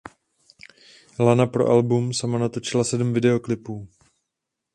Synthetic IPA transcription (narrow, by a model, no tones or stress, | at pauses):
lanapɾo̞̰ʔalbumsamanat̪o̞t͡ʃɪlasɛdm̩vɪdɛo̞klɪpuː